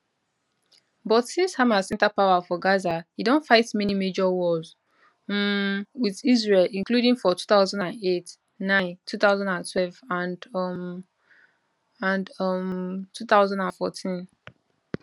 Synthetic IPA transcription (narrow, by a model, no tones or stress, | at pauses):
bɔtsĩnshamasɛ̃ntapawafɔɡazahidɔ̃nfaɪtmɛnimed͡ʒɔwɔz | wiðizɹelĩnkludĩŋfɔtʰu̥θaʊzãndãnet | nãɪ̃ntʰuθaʊzãndãntʰwɛlvãn | ãnmtʰuθaʊzãndãnfɔtʰĩn